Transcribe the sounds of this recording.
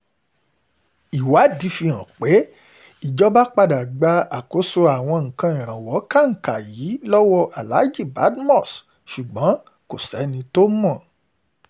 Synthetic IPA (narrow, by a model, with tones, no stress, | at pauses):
i˨wa˨˦di˧fi˧ã˨k͡pe˨˦ | i˨d͡ʒɔ˦ba˦k͡pa˧da˨ɡ͡ba˧˦a˨ko˨˦so˧a˨w̃ɔ̃˧ŋ̩˨kã˧ĩ˨ɾ̃ã˨wɔ˨˦ka˦˨ŋ̩˨ka˨ji˨˦lɔ˦wɔ˦ʔa˨la˨˦d͡ʒi˦˨ba˨˦dmɔ̃˦˨s | ʃu˨ɡ͡bɔ̃˨˦ | ko˨sɛ˨˦nĩ˧to˦mɔ̃˦˨